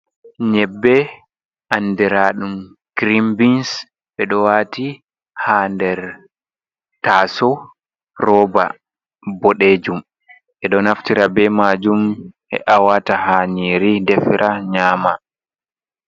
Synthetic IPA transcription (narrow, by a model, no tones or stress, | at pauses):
ɲɛbːɛ | ʔanːdɛɾaːɗum | kɾimbins | ɓɛɗɔwaːti | handɛɾ | taːsɔ | rɔːba̰ | bɔɗeːd͡ʒum | ʔɛɗɔnaftiɾabɛmad͡ʒumʔɛ̰ʔawatahaːɲiɾidɛfiɾʔaɲaːma